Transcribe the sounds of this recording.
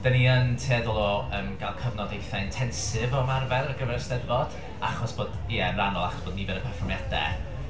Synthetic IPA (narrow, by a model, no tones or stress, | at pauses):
d̥aniəntʰeːðlˠɔəːmɡ̥alˠkʰəvnɔdejθaɪntʰɛnsɨvɔmarvɛrəɡəvɛɾstɛrvɔd̥ | aχɔsb̥oːdiɛənranɔlˠaχɔ̥sb̥oːd̚nibɛdəpʰɛrfɔrmjadɛ̰